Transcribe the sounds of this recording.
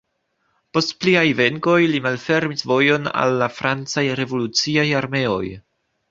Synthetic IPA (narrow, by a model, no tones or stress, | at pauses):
po̞stpliajve̞ŋko̞jlimalfe̞ɾmisvo̞jo̞na̰lːafɾant͡sajɾe̞vo̞lut͡siajaɾme̞o̞̰j